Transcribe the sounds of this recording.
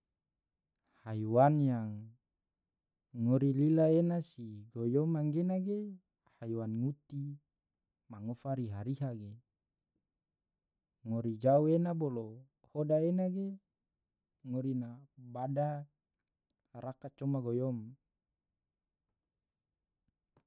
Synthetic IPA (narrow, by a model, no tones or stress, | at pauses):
haiwanjaŋ | oɾililaenasiɡojomaŋɡenaɡe | haiwanŋut̪i | maŋofaɾiɦaɾiɦaɡe | oɾid͡ʒauenabolo | hodaenaɡe | ŋoɾinabada | ɾakat͡ʃomaɡojom